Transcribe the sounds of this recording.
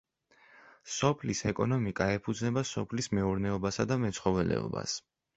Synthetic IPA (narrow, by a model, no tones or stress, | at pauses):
sɔpʰlisɛkʼɔnɔmikʼaɛpʰud̪znɛbasɔpʰlismɛuɾnɛɔbasad̪amɛt̪sʰχɔvɛlɛ̰ɔ̰ba̰s